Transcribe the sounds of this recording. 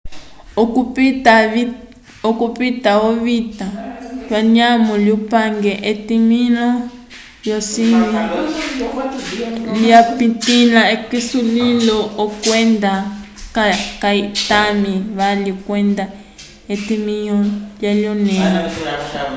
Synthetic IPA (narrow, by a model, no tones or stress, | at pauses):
kupta | okupitaoβitalwaɲamɔljupaŋɡɛʔetiminɔ | lɔsina | liapitilaekisulilɔɔkwɛnd̪akakaitamiβalikwɛnd̪a | etimiɲɔljaljɔnɛːnɔ